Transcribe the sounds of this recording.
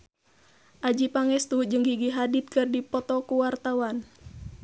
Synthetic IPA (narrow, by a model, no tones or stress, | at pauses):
ʔad͡ʒipaŋɛst̪ud͡ʒɨŋɡiɡiɦadit̪̚kɨrdipɔt̪ɔkuwart̪awan